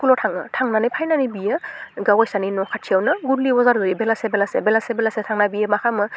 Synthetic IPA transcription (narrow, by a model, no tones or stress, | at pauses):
kulɔtʰaŋɯtʰaŋnanɯjpʰajnanibijəɡawajsaninɔkʰatʰiawnɯɡuɾliwazaɾdɯjibelasebelasḛbelasebelasetʰaŋnabijəmakʰamɯ